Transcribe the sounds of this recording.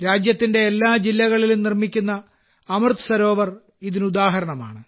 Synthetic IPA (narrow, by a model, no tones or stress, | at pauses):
ɾaːd͡ʑjɐt̪ːinde̞ːlːaːd͡ʑilːɐɣɐɭilumnirmikʲːunːɐː | mɨrt̪ʰɨ̥sɐɾo̞ːʋɐr | iðinɨud̪aːɦɐɾɐɳɐma̰ːɳɨ